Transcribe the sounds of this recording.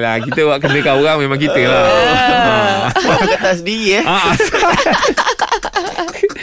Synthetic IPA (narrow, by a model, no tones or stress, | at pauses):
lakit̪əwaʔkənəkaoɾaŋmẽmãŋkit̪əla | aakət̪asdiieaasa